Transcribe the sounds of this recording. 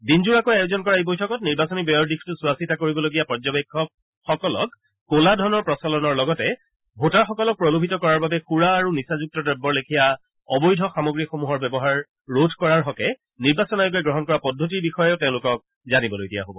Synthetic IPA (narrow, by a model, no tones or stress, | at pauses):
dinzuɹakojajozɔnkɔɹaejbojtʰɔkɔtniɹbasɔnibɔjɔɹdikʰtʊsʊasitakoɹibɔloɡijapɔɹzɔbekʰːɔk̚ | xɔkɔlɔ̰kː | oladʱɔnɔɹpɹɔsɔlɔnɔɹlɔɡɔtɛ | bʱotaɹxɔkɔlɔk̚pɹɔlobʱitɔkɔɹaɹbabɛxuɹaːɹunisazuk̚tɔdɹɛbːɔɹlekʰija | ɔbɔjdʱɔxamɔɡɹixomuɦɔɹbɛbɔɦaɹː | odʱkɔɹaɹɦɔkɛ | niɹbasɔnajʊɡɛɡɹɔɦɔnkɔɹapɔdʱːot̬iɹbixɔjɛʊtẽʊ̃lʊkɔk̚ | zanibɔlojɡija̰ɦobɔ̰